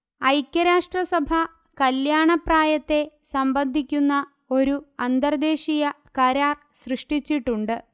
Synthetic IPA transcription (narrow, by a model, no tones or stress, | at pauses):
ɐjkʲːɐɾaːʂʈrɐsɐbʱɐ | kɐljaːɳɐpraːjɐt̪ːe̞sɐmbɐnd̪ʱikʲːunːɐ | o̞ɾuɐnd̪ɐrd̪e̞ːʂijɐ | kɐɾaːr | srɨʂʈit͡ɕːiʈːuɳɖɨ